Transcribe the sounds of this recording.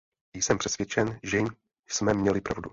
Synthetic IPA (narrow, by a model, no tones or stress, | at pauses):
jsɛmpr̥ɛsvjɛt͡ʃɛnʒɛm | smɛmɲɛlɪpɾʔa̰vdu